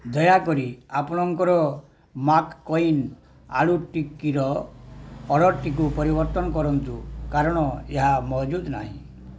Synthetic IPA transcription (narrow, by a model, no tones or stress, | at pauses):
d̪ɔjakɔɾiapɔɽ̃ɔŋkɔɾɔ | makːɔin | a̰ɭuʈikiɾɔː | ɽɔʈːik̬upɔɾibɔɾt̪ɔnɔkɔɾɔnt̪ukaɾɔɽ̃ɔeɦamɔd͡ʒud̪na̰ɦḭ̃